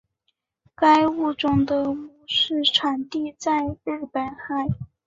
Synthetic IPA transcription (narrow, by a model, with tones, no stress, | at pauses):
ka˥ɪu˥˩ʈ͡ʂʊ˥ŋd̪ə˨mu˥˧˩ʂɻ̩˥˩ʈ͡ʂʰwa˨˩nt̪i˥˧t͡sa˥˧ɪɻɻ̩˥˩pə˨˩nxa˥˩ɪ